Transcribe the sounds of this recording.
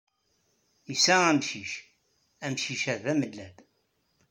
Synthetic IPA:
isææmʃiʃ | æmʃiʃæðæməlːæd̪

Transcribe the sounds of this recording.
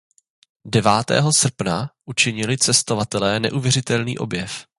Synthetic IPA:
dɛvaːt̪ɛ̰ːɦo̞sr̩pnaʔut͡ʃɪɲɪlɪt͡sɛst̪o̞vat̪ɛlɛːnɛ̰ʔuvjɛr̝ɪt̪ɛlnḭːʔo̞̰bjɛf

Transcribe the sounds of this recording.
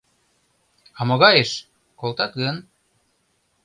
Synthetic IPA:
ɑmoɣɑjeʃ | kolt̪ɑkən

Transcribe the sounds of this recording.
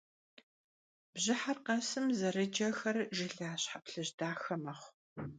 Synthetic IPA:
b̥ʑɪħarqɐsɨmzɐɾɨd͡ʒɐxɐrʒɪɬaːɕħapɬɨʑdaːxɐmɐχʷ

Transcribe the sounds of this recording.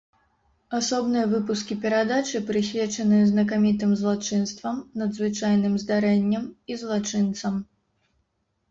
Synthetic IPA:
asɔbnɨjɐvɨpuskʲipʲɛɾad̪at͡ʂɨpɾɨsʲvʲɛt͡ʂɐnɨjɐznɐk̬amʲit̪̬ɨmzlˠat͡ʂɨnst̪vɐmnɐd̪zvɨt͡ʂajnɨmzd̪aɾɛnʲːɐmizlˠat͡ʂɨnt̪sɐm

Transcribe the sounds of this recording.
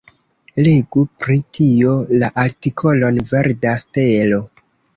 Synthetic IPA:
leɡupɾitio̞laʔaɾtikʰo̞lo̞nve̞ɾdastelo̞

